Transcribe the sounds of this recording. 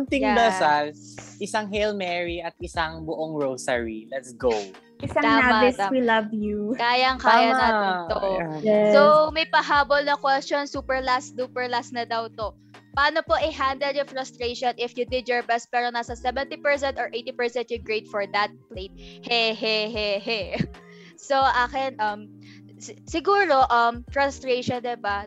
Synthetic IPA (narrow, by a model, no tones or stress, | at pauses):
ʊnt̪ɪŋd̪ɐsalsʔɪsaŋɦɛlmɛɹiʔɐt̪̚ʔɪsaŋbʊʔoŋɹowsɐɹilɛt̪sɡow | ʔɪsɐt̪aːamɐɪsawilɐvjukaːjɐŋkaːjɐnɐd̪iːt̪ojɛsomɐjpɐɦaːbolnɐkwɛstonsuːpɛɹlasd̪uːpɛɹlasnɐd̪ɐwt̪o | pɐʔaːnopoʔɪɦand̪ɛlʊfɹɐst̪ɾejʃonʔɪfjʊd̪ɪd̪jɔɹbɛst̪̚pɛːɾonaːsɐsɛvɛnt̪ipɛɹs̬ɛ̃nt̪ɔɹʔejt̪ipɛɹsɛ̃nt̪̚jʊɡɹet̪̚fɔɹd̪ɐt̪̚pleɪt̪̚hɛɦɛɦɛɦɛ | soʔaːkɪnʔɐm | ssɪɡuːɾoʔɐmfɹɐst̪ɾeʃond̪ɪba